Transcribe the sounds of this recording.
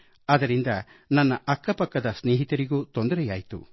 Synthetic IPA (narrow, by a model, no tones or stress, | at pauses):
ɐd̪ɐɾind̪ɐ | nɐnːɐʔɐkːɐpɐkːɐd̪ɐsneːɦit̪ɐɾiɡuːt̪ond̪ɐɾɛjaːjt̪ṵ